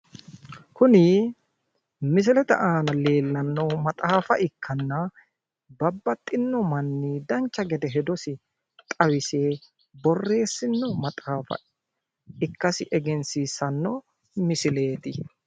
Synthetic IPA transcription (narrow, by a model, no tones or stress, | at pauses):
kʊnɪ | mɪs̬ɪlɛt̪ɐ̰ʔaːnɐle̞ːlːɐnːɔmɐt̪ʼaːfɐʔɪkʰːɐnːɐ | bɐbːɐt̪ʼːɪnːɔmɐnːiːd̪ɐnt͡ʃːɐɡɛd̪ɛɦɛd̪ɔsɪ | t̪ʼɐwɪse̞ː | bɔrːe̞ːsːɪnːɔmɐt̪ʼaːfɐ̰ | ɪkːɐsɪʔɛɡɛnsiːsːɐnːɔ | mɪsɪle̞ːt̪ɪ